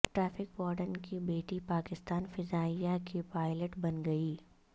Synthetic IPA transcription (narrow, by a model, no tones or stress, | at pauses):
ʈɾɛːpʰɪkbɔːɾɖənkibeːʈipaːkɪst̪aːnfɪzaːijakipaːɪləʈbɐnɡɐiː